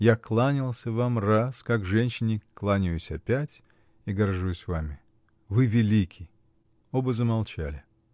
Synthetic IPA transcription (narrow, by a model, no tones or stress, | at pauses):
jaklˠanʲɪlˠsʲəvamraskakʐɛnʲɕɪnʲɪklˠanʲɪjʊsʲɐpʲætʲ | iɡɐrʐusʲvamʲɪ | vɨvʲɪlʲikʲʰɪj | obəzəmɐlˠt͡ɕalʲɪ